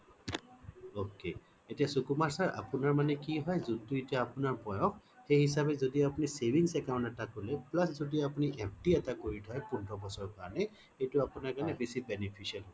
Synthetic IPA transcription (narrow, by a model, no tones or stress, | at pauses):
oke | etijasukumaɹsaɹʔa̰pʊnaɹmanɛkiɦɔjzuntuetijaːpʊnaɹpɔjɔ̃kxejhis̬abɛzodiapunisebʱiŋsɛkaʊ̃ntɛtakulɛplaszodiapuniʔɛpʰtiɛtakoɹidʰʱɔjpundɹɔbɔsɔɹkaɹnɛ | xejtʊapunaɹkanɛbesibɛnepʰisialɦɔ